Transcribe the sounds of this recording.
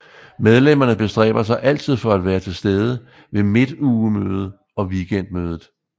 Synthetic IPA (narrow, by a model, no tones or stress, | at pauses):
með̞ˠlem̰ɐnəb̥e̝sd̥ʁɛ̰ːb̥ɐsɑ̈ɪʔæl̰t͡sʰið̰ˠfɒ̽æd̥ʋæːɐt͡sʰe̝lsd̥eːð̞ˠə | ʋe̝me̝d̥uːəmøːð̞̩ˠə | ɒ̽ʋiɡ̥en̰d̥̚møːðˠð̩ˠ